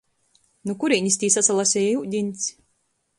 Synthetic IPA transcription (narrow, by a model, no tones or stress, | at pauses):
nukuɾiɲʲist̪ʲiːsasalˠasʲɛjjuwd̪ʲinʲt̪sʲ